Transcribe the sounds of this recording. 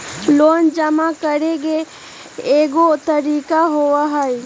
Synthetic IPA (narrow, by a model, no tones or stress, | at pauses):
loːnd͡ʒəmakəɾeɡe | eːɡot̪əɾiːkaɦowaɦəj